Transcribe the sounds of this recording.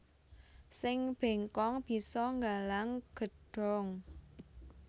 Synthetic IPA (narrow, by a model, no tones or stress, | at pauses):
sɪŋb̥e̤ŋkɔŋb̥i̤sɔŋɡalaŋɡ̥ə̤ɖ̥ɔ̤ŋ